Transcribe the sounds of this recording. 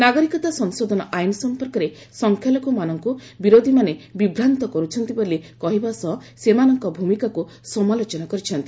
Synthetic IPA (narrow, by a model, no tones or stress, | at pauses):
naɡɔɾikɔt̪asɔŋsod̪ʱɔnɔʔajnɔsɔmpɔɾkɔɾe | sɔŋkʰjalɔkumanɔŋkubiɾod̪ʱimanebibɾant̪ɔkɔɾut͡ʃʰɔnt̪ibolikɔɦibasɔsemanɔŋkɔbʱumikaku | sɔmalot͡ʃɔnakɔɾit͡ʃʰɔnt̪i